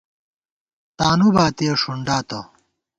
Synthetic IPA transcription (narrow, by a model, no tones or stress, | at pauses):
t̪aːnubaːt̪ijɐʂuɳɖaːt̪ɐ